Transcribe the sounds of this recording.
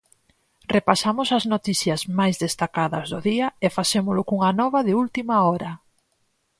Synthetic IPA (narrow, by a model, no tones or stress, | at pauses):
repasamʊsɐznot̪iθjɐzmajzðest̪akaðɐzðʊðiɐefasemʊlʊkuŋɐnɔβɐðɪult̪imɐɔɾɐ